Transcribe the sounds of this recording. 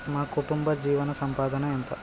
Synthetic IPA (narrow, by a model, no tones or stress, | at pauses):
maːkuʈumbɐd͡ʒiːʋɐnɐsɐmpaːd̪ɐnɐent̪ɐ